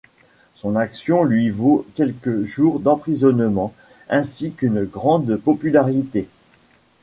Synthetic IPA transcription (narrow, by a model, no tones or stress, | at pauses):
sɔ̃naksjɔ̃lɥivokʲɛlkəʒuʁd̪ɑ̃pχizɔnmɑ̃ | ɛ̃sikynɡʁɑ̃d̪pɔpylaʁit̪e